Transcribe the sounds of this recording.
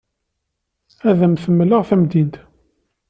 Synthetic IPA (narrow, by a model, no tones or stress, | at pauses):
æðæmθəmːləʁθæmd̪int̪